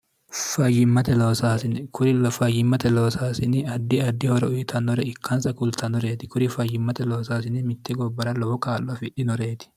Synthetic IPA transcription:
fɐjɪmːɐt̪ɛloːsaːsɪnkʰʊɾfɐjɪmːɐt̪ɛloːsaːsɪnɪɐd̪ːɪɐd̪ːɪhɔɾɛʊjɪt̪ʰɐnːɔɾɛɪkʰːɐnsɐkʊlt̪ʰɐnɔɾeːt̪ɪ̥kʊɾɪfɐjɪmːɐt̪ɛloːsaːsɪnɪmɪt̪ːɛɡɔbːɐɾɐlɔbɔkaːlːɔɐfɪᶑɪnɔɾe̞ːt̪ɪ̥

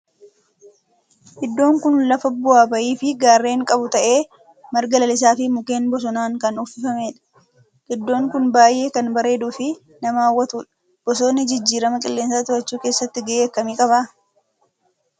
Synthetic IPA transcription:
ʔɪd̪ːo̞ːŋkʊnlɐfɐbʊaːbɐʔiːfɪɡaːrːe̞ːŋkʼɐbʊt̪ɐʔe̞ː | mɐɾɡɐlɐlɪs̬aːfɪmʊke̞ːnbɔs̬ɔnaːŋkɐnʊfɪfɐmeːᶑɐ̥ | ɡɪd̪ːo̞ːŋkʊnbaːjʔe̞ːkɐnbɐɾe̞ːd̪uːfɪ | nɐmaːwːɐt̪uːᶑɐ̥ | b̥ɔso̞ːnːɪd͡ʒɪd͡ʒːiːɾɐmɐkʼɪlːe̞ːnsaːt̪ʊɾɐt͡ʃːuːke̞ːsːɐt̪ːɪɡɐʔeːkːɐmiːkʼɐbaː

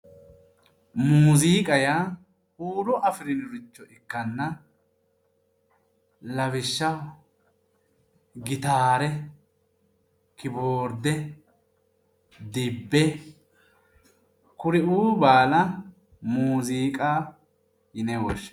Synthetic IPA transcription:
muːziːkʼɐja | huːɾɔʔɐfɪɾɪnɪɾʊt͡ʃːɔʔɪkːɐnːɐ | lɐwɪʃːɐw | ɡɪt̪aːɾɛ | kɪboːɾd̪ɛ | d̪ɪbːɛ | kʊɾɪʔuːbaːlɐ | muːziːkʼa | jɪnɛwɔʃ

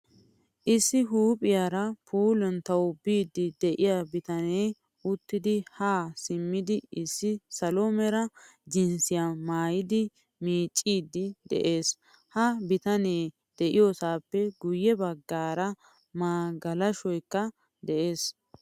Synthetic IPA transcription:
ʔɪsːɪɦuːpʼɪjaːɾɐpʰuːlɛnt̪ɐwʊbiːd̪ːɪd̪ɛʔɪjabɪt̪ɐnej | ʊt̪ːɪd̪ɪhaːsɪmːɪd̪ɪɪsːɪsɐlomɛɾɐd͡ʒɪnsɪjamaːjɪd̪ɪ | miːt͡ʃʼːiːd̪ːɪd̪ɛ̰ʔe̞ːs | hɐbɪt̪ɐnej | d̪̥ɛʔɪjosaːpːɛɡʊjːɛbɐɡːaːɾɐ | maːɡɐlɐʃɔjkːɐ | d̪ɛʔe̞ːs

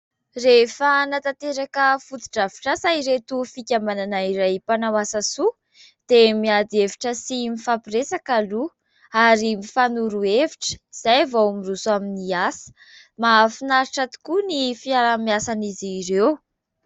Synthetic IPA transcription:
refənat̪at̪eɾakəfut̪i̥ʈ͡ʂavi̥ʈ͡ʂasaiɾet̪ufikʲamananaiɾajpanawasasu | d̪̥emiad̪eviʈ͡ʂəsimifapiresakalu | aɾimifanuɾueviʈ͡ʂə̥iz̥ajvomirusuaminiasə̥ | mafinaɾiʈ͡ʂat̪u̥kunifiaɾamiasaniziɾew

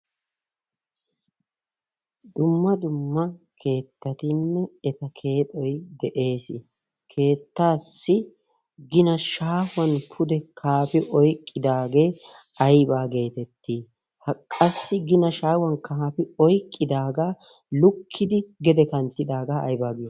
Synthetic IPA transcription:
d̪ʊmːɐd̪ʊmːɐ | kʰe̞ːt̪ːɐt̪ɪnːɛɛt̪ɐkʰe̞ːt̪ʼɔjd̪ɛʔe̞ːsɪ | kʰe̞ːt̪ːaːsːɪ | ɡɪnɐʃaːfʊwɐnpʰʊd̪ɛkʰaːpɪʔɔjkʼːɪd̪aːɡe̞ː | ɐjbaːɡe̞ːt̪ɛt̪ːiː | hɐkʼɐsːɪɡɪnɐʃaːwɐnkapɪɔjkʼːɪd̪aːɡaː | lʊkʰːɪd̪ɪɡɛd̪ɛkɐnt̪ːɪd̪aːɡaːɐ̰jbaːɡɪjɔ

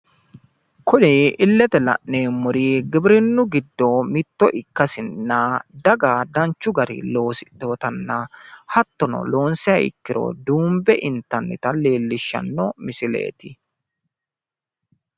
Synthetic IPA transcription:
kʊnɛʔɪlːɛt̪ɛlɐ̰ʔneːmːʊɾiːɡɪbɾɪnːʊɡɪd̪ːomɪt̪ːɔʔɪkːɐsɪnːaːd̪ɐɡaːd̪ɐnt͡ʃːʊɡɐɾɪ̰lo̞ːsɪd̪̥o̞ːt̪ɐnːɐhɐt̪ːɔnɔ̰lo̞ːnsɪɐɪ̰kːɪɾɔ̰d̪uːmbɛʔɪnt̪ɐnːɪt̪ɐleːlːɪʃːɐ̰nːɔmɪsɪlḛːt̪ɪ

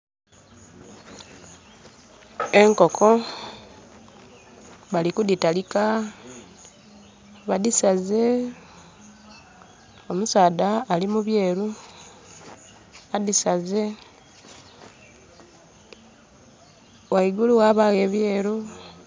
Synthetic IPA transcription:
e̞ŋko̞kʰo̞ | βalikuditalika | βadisaze | omusaːdaːlimuβje̞ːɾu | adisaze | waiɡuluɣaβaɣe̞ːβje̞ːɾu

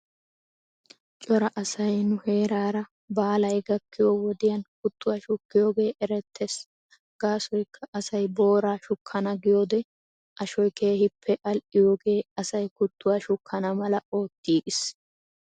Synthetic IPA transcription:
t͡ʃʼɔɾɐʔɐsɐjnʊhe̞ːɾaːɾɐ | baːlɐjɡɐkːɪjowɔd̪ɪjɐnkʊt̪ːʊwaːʃʊkːɪjo̞ːɡe̞ːʔɛɾɛt̪ːes | ɡ̥aːsɔjkʰːɐʔɐsɐjbo̞ːɾaːʃʊkʰːɐnɐɡɪjo̞ːd̪ɛ | ʔɐʃɔjke̞ːhɪpʰːɛʔɐlʔɪjo̞ːɡe̞ːɐsɐjkʊt̪ːʊwaːʃʊkʰːɐnɐmɐlɐo̞ːt̪ːiːʔɪs

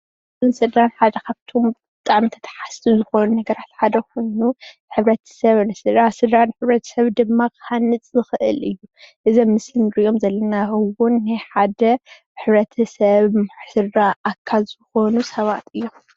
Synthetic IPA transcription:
ɨnsɨd̪ɾanħad̪ɐkʰaβt̪ʰo̞mbɨɨt̪ʼaʕmint̪ʰɐ̥t̪ʰħast̪ʰizɨxo̞nunɐɡɐɾat̪ħad̪ɐko̞jnu | ħɨβɾɐt̪ʰɐ̥sɐβnɨsɨd̪ɾasɨd̪ɾanħɨβɾɐt̪ʰɐ̥sɐβd̪ɨmːakʰanɨt͡sʼzɨxɨʔɨ̰lɨjːuʔɨzomːɨsɨmɾijo̞mzɐlːɐnawʊnːajħad̪ɐ | ħɨβɾɐt̪ʰɐsɐβmħsɨdɾaʔakʰːazɨxo̞nusɐβat̪ɨjːo

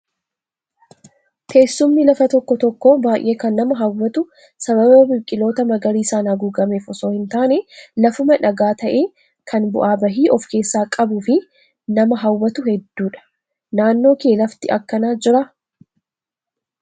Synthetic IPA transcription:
t̪ʰe̞ːsːʊmːɪlɐfɐt̪ɔkːɔt̪ɔkːo̞ːbaːjʔe̞ːkɐnːɐmɐɦɐwːɐt̪ʊ | sɐβɐbɐbɪkʼːɪlo̞ːt̪ɐmɐɡɐɾiːsaːnhɐɡuːɡɐmeːfɔso̞ːhɪnt̪aːnɛlɐfʊmɐᶑɐɡaːt̪ɐʔe̞ː | kʰɐnbʊ̰ʔaːbɐɦiːʔɔfke̞ːsːaːkʼɐbʊfɪ | nɐmɐɦɐwːɐt̪ʊhɛd̪ːuːᶑɐ̥ | naːnːo̞ːke̞ːlɐft̪ɪʔɐkːɐnaːd͡ʒɪɾɐ

